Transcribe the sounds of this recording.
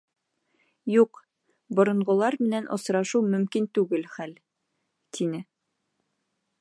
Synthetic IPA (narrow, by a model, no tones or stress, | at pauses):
juq | bŏɾŏɴʁŏlˠɑɾmɘ̆nænʔŏ̰sɾɑʃuwmɵ̆mkint̪ʉɡɘlχæl | t̪ʰinɘ